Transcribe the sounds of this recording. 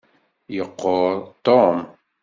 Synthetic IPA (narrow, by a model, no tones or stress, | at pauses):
joqːot̪oːm